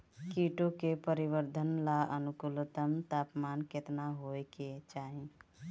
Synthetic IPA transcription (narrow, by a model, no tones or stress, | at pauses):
kiʈokepəɾibəɾd̪ʱənlaʔənukulət̪əmt̪apmanket̪naɦoeket͡ʃaːɦi